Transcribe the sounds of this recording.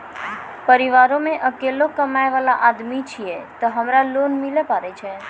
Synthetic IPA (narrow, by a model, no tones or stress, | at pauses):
pəɾiʋaɾomeʔəkelokəmajʋalaʔad̪mit͡ʃʰiet̪oɦəmɾalonmilepaɾet͡ʃʰe